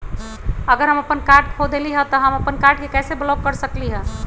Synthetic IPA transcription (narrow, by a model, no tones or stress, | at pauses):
əɡəɾɦəməpənkaɾɖ̚kʰod̪eliɦə̃t̪ɔɦəməpənkaɾɖ̚kekɛːseblɔɡːəɾsəkliɦə̃